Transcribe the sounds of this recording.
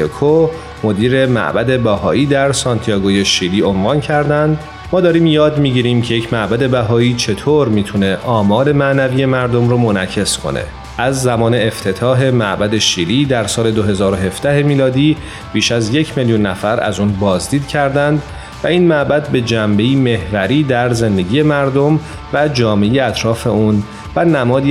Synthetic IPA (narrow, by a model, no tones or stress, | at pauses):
kʰo | mo̞d̪iːɾe̞mæ̰ʔbæd̪e̞bæhɒ̰ːiːd̪æɾsɒnt̪ʰijɒːɡoje̞ʃiːliːo̞nvɒːncʰæɾd̪ænd̪ | mɒːd̪ɒːɾiːmjɒːd̪miɟiːɾiːmcʰe̞jecʰmæʔbæd̪e̞bæɦɒːiːt͡ʃʰe̞t̪ʰoːɾmiːt̪ʰune̞ʔɒːmɒːɾe̞mænæviːje̞mæɾd̪o̞mɾoːmo̞næcʰe̞skʰo̞̰nḛ | ʔæzːæmɒːne̞eft̪ʰe̞t̪ʰɒːɦe̞mæʔbæd̪e̞ʃiːliːd̪æɾsɒːle̞d̪oɦe̞zɒːɾo̞ɦe̞fd̪̥æɦe̞miːlɒːd̪iː | b̥iːʃæzje̞cʰmeljunːæfæɾʔæ̰zuːnbɒːzd̪iːd̪cʰæɾd̪ænd̪ | væiːnmæʔbæd̪̚be̞d͡ʒæmbe̞iːme̞hvæɾiːd̪æɾze̞nd̪e̞ɟiːje̞mæɾd̪om | væd͡ʒɒːmejeæt̪ʰɾɒːfe̞uːn | vænæmɒːd̪i